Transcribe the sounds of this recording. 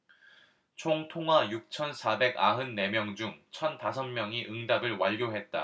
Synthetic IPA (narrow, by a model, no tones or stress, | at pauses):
t͡ɕʰoŋtʰoŋɦwajuk̚t͡ɕʰʌnsʰabe̞ɡa̰ɦɯnːe̞mjʌŋd͡ʑuŋt͡ɕʰʌntas̬ʰʌnmjʌŋiʔɯŋdabɯɭwaʎːɡoɦe̞t̚t͈a̰